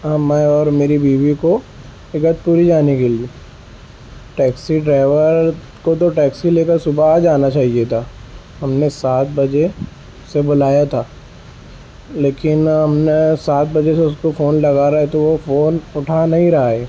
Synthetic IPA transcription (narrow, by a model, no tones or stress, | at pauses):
mɛ̃ɔːɾmeːɾibiːʋiko | ɪɡət̪̚puːɾid͡ʒaːnikeliiː | ʈɛːksiɖɾaːʋəɾ | kot̪̬oʈɛːksileːkəɾsʊbad͡ʒaːnat͡ʃaːɦiet̪ʰaː | ɦɐmnesaːt̪̚ʰbɐd͡ʒe | sebʊlaːjat̪ʰaː | leːkɪnɦɐmnesaːt̪̚bɐd͡ʒeseʊskofoːnlɐɡaːɾaɦɛt̪oʋofoːnʊʈʰanɐɦĩɾɐɦaeː